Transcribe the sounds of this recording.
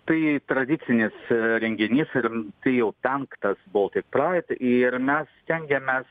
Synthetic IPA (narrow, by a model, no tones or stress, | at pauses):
t̪ɐɪt̪ɾɐd̪ʲɪt͡s̪ʲɪnʲɪsɾʲɛŋʲɡʲɪnʲiːsɪrt̪ɐɪjɛʊpʲɛŋkt̪ɐsbʊʋot̪ʲɪk̚prɑːɪt̪ɪɾmʲɛssʲt̪ʲɛŋʲɡʲɛmʲɛs